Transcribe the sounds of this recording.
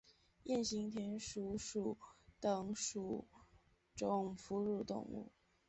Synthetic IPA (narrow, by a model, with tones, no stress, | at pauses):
jɛ˥˩nɕi˧˥ŋt̪ʰjɛ˧˥nʂu˨˥ʂu˨˩t̪ə˨˩ŋʂu˨˩ | ʈ͡ʂʊ˨˩ŋfu˧˥ɻu˥˧t̪ʊ̰˥˧ŋṵ˥˩